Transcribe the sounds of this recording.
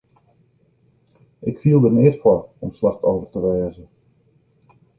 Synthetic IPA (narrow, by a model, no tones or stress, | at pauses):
ʔɪkfiəlˠdərnɪərtfɔɔmslaxtoːvərtəʋɛːzə